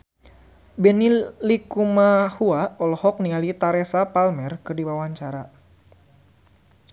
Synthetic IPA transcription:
bɛnilikumahuaɔlɔhɔk̚niŋalit̪aɾesapalmɛrkɨrdibawaɲt͡ʃaɾa

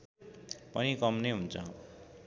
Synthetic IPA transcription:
pʌnikʌmnejɦunt͡sʰʌ̰

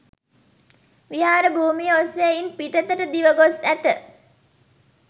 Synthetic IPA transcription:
ʋiɦaːɾəbʱuːmijəosejeinpiʈət̪əʈəd̪iʋəɡosæt̪ə

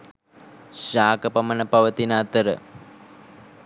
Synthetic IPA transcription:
ʃaːkəpɐmənəpɐʋət̪inaːt̪əɾə̰

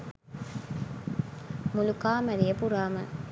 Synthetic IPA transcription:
mʊlukaːmɐɾɪjɐpuɾaːmɐ

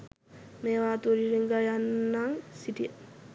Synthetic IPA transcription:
meːʋaːt̪uɾiɾiŋɡajanːaŋsiʈiə

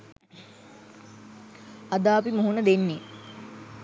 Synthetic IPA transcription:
ad̪aːpimuɦunəd̪enːe

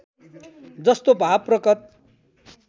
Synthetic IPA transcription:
d͡zʌst̪obʱapːrʌkʌt̪̚

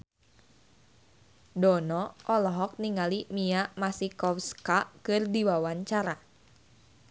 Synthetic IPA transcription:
dɔnɔʔɔlɔɦɔk̚niŋalimiamasikɔfskakɨrdiwawaɲt͡ʃaɾa

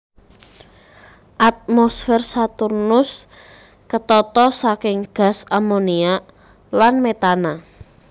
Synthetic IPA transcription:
ʔat̪̚mɔsfɛrsat̪urnʊs | kət̪ɔt̪ɔsakɪŋɡ̥a̤samonia | lanmet̪ana

